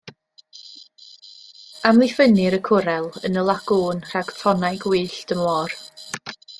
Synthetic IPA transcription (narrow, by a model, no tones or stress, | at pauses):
amlˠɪfənɪɾəkʰʊɾɛlˠənəlˠaɡuːnr̥aɡ̥fʰɔnajɡwiːɬd̥əmɔːr